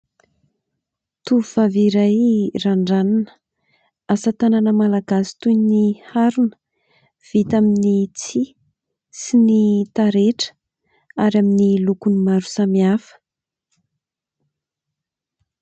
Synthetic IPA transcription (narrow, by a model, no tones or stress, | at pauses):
t̪uuvaviɾajraɳɖ͡ʐananə̥ | asət̪ananəmalaɡasi̥t̪ujnihaɾunə̥ | v̥it̪aminit͡si | sinit̪aɾeʈ͡ʂə̥ | aɾaminilukunimaɾu̥samiafə̥